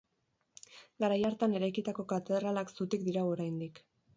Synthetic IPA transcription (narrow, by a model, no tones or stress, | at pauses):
ɡaɾajaɾt̪ane̞ɾajkit̪ako̞kat̪e̞ðɾalaksut̪ikd̪iɾaoɾajnd̪ik